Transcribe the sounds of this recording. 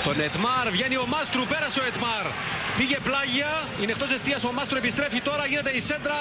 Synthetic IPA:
t̪o̞net̪mɐɾvʝenio̞mɐst̪ɾupeɾɐseoet̪mɐɾ | piʝeplɐʝiɐ | inext̪o̞s̬est̪iɐsomɐst̪ɾuepist̪ɾefit̪o̞ɾɐʝinet̪eise̞nd̪ɾɐ

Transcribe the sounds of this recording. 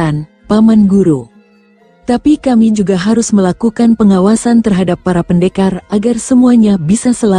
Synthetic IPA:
an | pamanɡuɾu | t̪apikamid͡ʒuɡaɦaɾʊsməlakukanpəŋawasant̪ərɦadapːaɾapəndekarʔaɡarsəmuaɲabisasəla

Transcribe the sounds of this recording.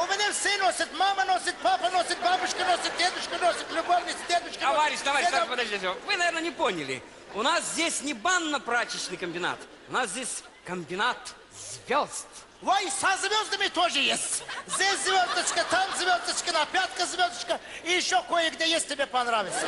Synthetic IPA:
ʊmʲɪnʲafsʲenosʲɪt̪mamənosʲɪt̪̚papənosʲɪt̪̚babʊʂkənosʲɪt̪̚dʲed̪ʊʃkənosʲɪt̪lʲʊɡovnʲɪsʲd̪ʲed̪ʊʃkəɐvaɾʲɪʃt̪ɐvaɾʲpəd̪ɐsʲovɨnɐvʲeɾnənʲɪponʲɪlʲɪ̰ | ʊnaszʲdʲesʲnʲɪbanːəpɾat͡ɕɪɕnɨjkəmʲbʲɪna̰t̪ | ʊnaszʲesʲ | kəmʲbʲɪnat̪ | zʲvʲozt̪ | vojsazʲvʲozd̪əmʲɪt̪oʐɨjesʲtʲzʲdʲesʲzvʲozd̪ət͡ʃkət̪amzʲvʲozd̪ət͡ʃkʲɪnapʲat̪kəzʲvʲozd̪ət͡ʃkəijɪʃːokojəɡdʲejesʲt̪̚ʲtʲːɪbʲepɐnɾavʲɪt̪sə

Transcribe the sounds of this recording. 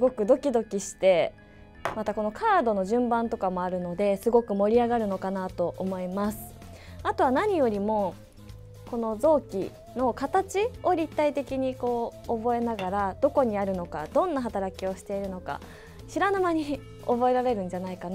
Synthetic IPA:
sɨɡo̞kɯ̟d̪o̞kʲid̪o̞kʲiɕi̥t̪e̞ | mat̪ako̞no̞kʰaːd̪o̞no̞ʑɨ̟̃mbãnt̪o̞kamo̞aɾɯ̟no̞d̪e̞sɨɡo̞kɯ̟mo̞ɾʲiaɡaɾɯ̟no̞kanat̪o̞ʔomo̞imasɨ̥ | at̪o̞βanaɲ̟ijo̞ɾʲimo̞ | ko̞no̞zo̞ːkʲḭ | no̞kat̪at͡ɕio̞ɾʲit̪ːait̪e̞kʲiɲ̟iko̞ːbo̞e̞naɡaɾad̪o̞ko̞ɲ̟iaɾɯ̟no̞kad̪̥õ̞nːaɦat̪aɾakʲio̞ɕi̥t̪e̞iɾɯ̟no̞ka̰ | ɕiɾanamaɲ̟i | obo̞e̞ɾaɾe̞ɾɯ̟̃ɲ̟d͡ʑanaikana

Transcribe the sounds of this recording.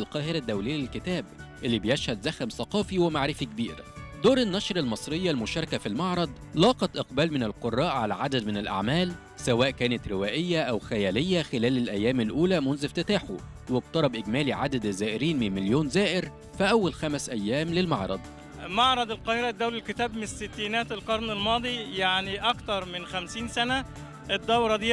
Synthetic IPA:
lqɑːhɪɾæd̪ːæwlɪjːælɪlkɪt̪æːbʔelːibejeʃhæd̪zæxæmsˤɑqɑːfiwemaʕɾɪfik̚biːɾd̪oːɾenːɑʃɾɑlmɑsˤɾejːɑlmʊʃɑɾˤɑkæfilmɑʕɾˤɑd̪ˤlɑːqɑt̪ʔɑqbæːlmɪnɪlqorˤːɑːʔʕalæʕad̪æd̪mɪnɪlʔa̰ʕmæːl | sæwæːʔkæːnæt̪ɾɪwæːʔɪjːæʔæwxæjæːlejːæxelæːlælʔæjːæːmælʔuːlæmʊnzɪft̪ɪt̪aːħṵ | wɪɡt̪ɑɾˤɑbʔɪɡmæːliʕad̪æd̪zæːʔɪɾiːnmɪnmɪljoːnzæːʔɪɾ | fæʔæwːælxæmsʔæjːæːmlɪlmɑʕɾˤɑ̰d̪ˤ | mɑʕɾˤɑd̪ˤelqɑːheɾæd̪ːæwlɪlkɪt̪æːbmɪnsːɪt̪ːiːnæːt̪elqɑɾˤnɪlmɑːd̪ˤijaʕniʔɑkt̪ɑɾˤmɪnxæmsiːnsænæ | ʔed̪ːɑwɾˤɑd̪iː

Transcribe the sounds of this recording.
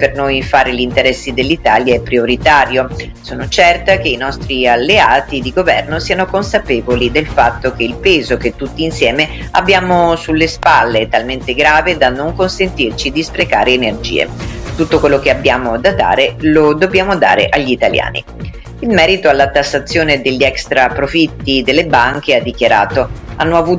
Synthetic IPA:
pernojfaːɾeʎint̪eɾɛsːid̪elːit̪aːljaɛpːɾioɾit̪aːɾjo | soːnot͡ʃɛrt̪ak̟einɔst̪ɾialːeaːt̪id̪iɡovɛrnosiːanokonsapeːvolid̪elfat̪ːok̟eilpeːzoket̪ːut̪ːiːnsjɛːme | a̰bːjaːmosulːespalːet̪alment̪eɡɾaːved̪anːoŋkonsent̪irt͡ʃid̪ispɾeka̰ːɾeːnerd͡ʒḭːḛt̪ut̪ːokwelːokeabːjaːmod̪ad̪a̰ːɾelod̪objaːmod̪a̰ːɾḛʔaʎːit̪alja̰ːnḭ | ilmɛːɾit̪oalːat̪ːasːat̪sːjoːned̪eʎːiɛkst̪ɾapɾofit̪ːid̪elːebaŋk̟ead̪ːikjaɾa̰ːt̪o | anːoavuː

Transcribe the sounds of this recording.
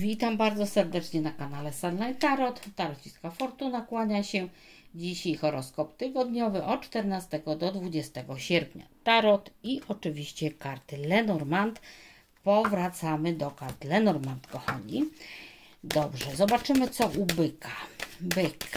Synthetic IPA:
vʲit̪ambaɾd̪zɔsɛɾd̪ɛt͡ʂɲɛnakanalɛsanlajt̪aɾɔt̪ːaɾɔt͡ɕiskafɔɾt̪unakwaɲaɕɛ | d͡ʑiɕajxɔɾɔskɔpt̪ɘɡɔd̪ɲɔvɘʔɔt̪̚t͡ʂt̪ɛɾnast̪ɛɡɔd̪ɔd̪vud͡ʑɛst̪ɛɡɔɕɛɾpɲa̰t̪aɾɔt̪iʔɔt͡ʂɘvʲiɕt͡ɕɛkaɾt̪ɘlɛnɔɾmant̪ | pɔvɾat̪samɘd̪ɔkaɾt̪lɛnɔɾmant̪kɔxa̰ɲi | d̪ɔbʐɛzɔbat͡ʂɘmɘt̪sɔʔubɘkʰabɘk

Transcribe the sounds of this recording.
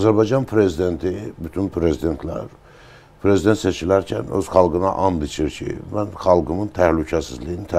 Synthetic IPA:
ɑzæɾbɑjd͡ʒɑnpʰɾe̞zid̪e̞nt̪ʰibyt̪ʰynpʰɾe̞zid̪e̞nt̪ʰlæ̰ɾ | pʰɾe̞zid̪e̞nt̪se̞t͡ʃʰilæɾcʰæ̰nø̰zχɑlˠɡɯnɑ̰ʔɑnd̪it͡ʃʰiɾcʰḭmænχɑlˠɡɯmɯnt̪ʰæhlycʰæsizlijinit̪ʰæ

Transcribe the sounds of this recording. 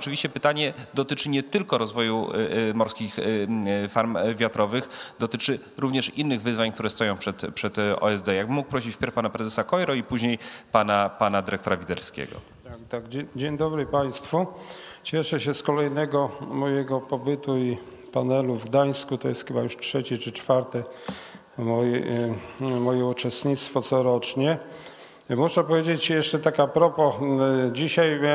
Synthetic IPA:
ɔt͡ʂɘvʲiɕt͡ɕɛpɘt̪aɲɛd̪ɔt̪ɘt͡ʂɘɲɛt̪ɘlkɔɾɔzvɔjumɔɾskʲix | faɾmvʲjat̪ɾɔvɘxd̪ɔt̪ɘt͡ʂɘ | ɾuvɲɛʂinːɘɣvɘzvaɲk̚t̪uɾɛst̪ɔjɔ̃w̃pʂɛt̪pʂɛt̪ɔ̰ɛzd̪ɛjaɡ̚bɘmːuk̚pɾɔɕit͡ɕfʲpʲɛɾfpanapɾɛzɛsakɔjɾɔipuʑɲejpanapanad̪ɘɾɛkt̪ɔɾavʲid̪ɛlskʲḛɡɔ̰ | t̪at̪aɡd͡ʑeɲd̪ɔbɾɘpaj̃st̪fut͡ɕɛʂɛɕɛskɔlɛjnɛɡɔmɔjɛɡɔpɔbɘt̪ui | panɛluvɡd̪aj̃skut̪ɔjɛst̪xɘbajuʂtʂɛt͡ɕɛt͡ʂɘt͡ʂfaɾt̪ɛ | mɔjɛ | mɔjɛut͡ʂɛst̪ɲit̪st̪fɔt̪sɔɾɔt͡ʂɲɛ | muʂɛpɔvʲjed͡ʑet͡ɕjɛʂt͡ʂɛt̪akapɾɔpɔd͡ʑiɕaj

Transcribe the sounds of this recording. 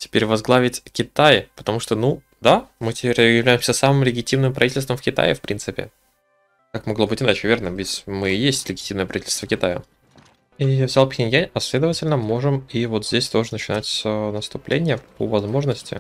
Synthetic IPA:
tʲɪ̥pʲeɾʲvɐzɡlˠavʲɪtʲkʲɪt̪ajpə̥t̪ɐmuʂt̪onu | d̪amɨtʲɪ̥pʲeɾʲjɪvlʲæjɪmsʲəsamɨmlʲɪɡʲɪtʲimnɨmpɾʔɐvʲitʲɪlʲst̪vəmfkʲɪt̪a̰jɪ̰fpɾʲinsɨpʲɪ̰ | kakmɐɡlˠo̞bɨtʲɪnat͡ɕɪvʲe̞rnəvʲɪtʲmɨɪjesʲtʲlʲɪɡʲɪtʲimnəjəpɾɐvitʲɪlʲst̪vəkʲɪt̪ajə̰ | ivzʲalˠpxʲnʲɪnʲjaɐsʲlʲe̞d̪əvətʲɪlʲnəmo̞ʐɨmivot̪zʲdʲesʲt̪oʐɨnət͡ɕɪnatʲsʲənəst̪ʊplʲʔḛnʲɪjəpəvɐzmo̞ʐnəsʲtʲɪ̰

